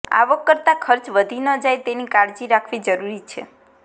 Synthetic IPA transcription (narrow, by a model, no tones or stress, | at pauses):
a̰ʋəkːəɾt̪akʰəɾt͡ʃʋəd̪ʱinəd͡ʒajt̪enikaɽd͡ʒiɾakʰʋid͡ʒəɾuɾit͡ʃʰḛ